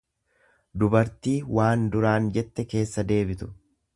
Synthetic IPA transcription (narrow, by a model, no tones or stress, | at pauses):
d̪ʊbɐɾt̪iːwaːnd̪ʊɾaːnd͡ʒɛt̪ːɛke̞ːsːɐd̪e̞ːbɪt̪ʊ̥